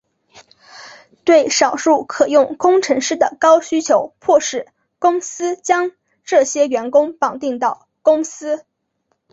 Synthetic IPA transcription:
t̪we˥˩ɪʂɑ˨˩ʊʂu˥˩kʰɤ˨˩jʊ˥˩ŋkʊ˥ŋʈ͡ʂʰɤ˧˥ŋʂɻ̩˥˩d̪ə˩kɑ˥ʊɕy˥t͡ɕʰjo˧˥ʊpʰwɔ˥˧ʂɻ̩˥˩ | kʊ˥ŋsɹ̩˥t͡ɕjɑ˥ŋ | ʈ͡ʂɤ˥˩ɕjɛ˥ɥɛ˧˥nkʊ˥ŋpɑ˨˩ʊt̪i˥˧ŋt̪ɑ˥˩ʊ | kʊ˥ŋsɹ̩˥

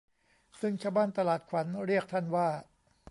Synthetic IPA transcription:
sɯ˥˩ŋt͡ɕʰaː˥˩wbaː˥˩nt̪a˧laː˨˩t̪̚kʰwa˩˦nɾi˥˩ək̚t̪ʰa˥˩nwaː˥˩

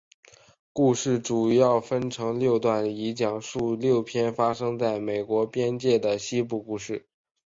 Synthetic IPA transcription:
ku˥˧ʂɻ̩˥˩ʈ͡ʂu˨˩jɑ˥˩ʊfə˥nʈ͡ʂʰɤ˧˥ŋljo˥˧ʊt̪wa˥˩ni˧˥t͡ɕjɑ˨˩ŋʂu˥˧ljo˥˩ʊpʰjɛ˥nfa˥ʂɤ˥ŋt͡sa˥˩ɪme˨˩ɪkwɔ˧˥pjɛ˥nt͡ɕjɛ˥˩d̪ə˩ɕi˥p̬u˥˧ku˥˧ʂɻ̩˥˩

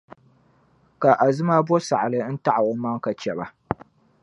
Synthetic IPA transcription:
ka˨ʔa˨zɨ˦ma˦bɔ˦sa˨ʔlɨ˦n̩˦ta˦ʔa˨wo˨˦ma˦ŋka˨t͡ʃɛ˨ba˨

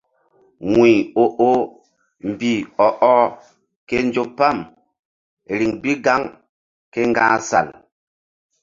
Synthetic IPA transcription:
ŋwi˨o˨ʔo˦ | m̩˨bi˨ɔ˨ʔɔ˦ | ke˦n˦d͡ʒo˦pːa˦˨m˨ | ɾi˨ŋbi˦ɡa˦ŋ | ke˦ŋ˦ɡa̰ː˦sa̰˨l

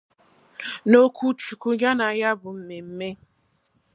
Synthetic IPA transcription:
no˦kʷu˦t͡ʃu˨ku˦ɡa˦na˨ja˦bʊ˨m̩˨me˨m̩˦me˦

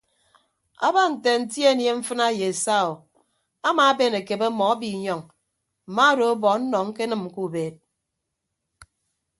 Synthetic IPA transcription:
a̰˦ba˦n̩˨te˨n̩˨˦tje˦˨nje˦ɱ̩˦fɨ˦na˦je˨e˨sa˦˨o˨ | a˦ma˨a˦be˦˨ne˨ke˨be˦mɔ˨a˦bi˨ɲɔ˨ŋ | m̩˨ma˦do˨o˦bɔ˨˦n̩˦nɔ˨ŋ̩˦ke˦nɨ˨m̩˨ku˦˨beː˨t̚

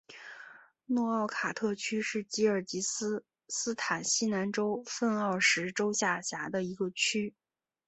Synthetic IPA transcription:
nɔ˥˧ɑ˥˩ʊkʰa˨˩t̪ʰɤ˥˩t͡ɕʰy˥ʂɻ̩˥˩t͡ɕi˥ə˞˨˩t͡ɕi˧˥ | sɹ̩˥t̪ʰa˨˩nɕi˥na˧˥nʈ͡ʂo˥ʊfə˥˧nɑ˥˩ʊʂɻ̩˧˥ʈ͡ʂo˥ʊɕja˥˩ɕja˧˥d̪ə˧i˧˥ɡə˧t͡ɕʰy˥

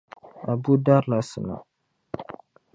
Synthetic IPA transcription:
a˨bu˦da˦ɾla˨sə˨na̰˨

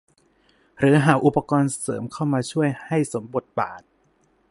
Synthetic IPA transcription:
ɾɯː˨˩˦ɦaː˩˦ʔu˨˩pa˧kɔː˧nsɤ̰ː˩˦mkʰa˥˩wmaː˧t͡ɕʰu˥˩əjha˥˩jso˩˦mbo˨˩t̪̚ba̰ː˨˩t̪̚

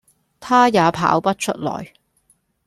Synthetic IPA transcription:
t̪ʰaː˥jaː˨˧pʰa̰ː˨˥wpɐ˥t̚t͡ʃʰɵ˥t̚lɔ̰ː˨˩j

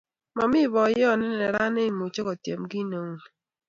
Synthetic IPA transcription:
ma˨mɪ˦˨βɔ˨jɔ˦˨nɛ˦n˦ɛ˨ɾa˦ne˦i˨mo˨t͡ʃɔ˦kɔ˨tjḛ˨mɡi˦no˨ŋ˨

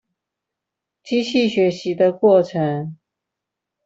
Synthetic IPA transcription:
t͡ɕi˥ɕi˥˩ɕɥɛ˧˥ɕi˧˥d̪ə˧kwɔ˥˩ʈ͡ʂʰɤ˧˥ŋ

